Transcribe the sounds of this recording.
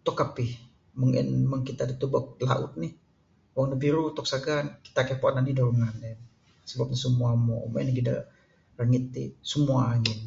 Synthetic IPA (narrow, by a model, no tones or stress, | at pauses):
t̪ɔkapih | məŋɛ̰nməŋkit̪adit̪ubak̚la̰ʔʊ̰t̪̚nih | waŋnəbiɾut̪ɔk̚saɡanki̥t̪akɛpoananidaɾuŋanɛn | səbap̚ɲasəmuamɔ̰moɛniɡida̰ | rəŋit̪̚ːḭsəmuaːŋɛn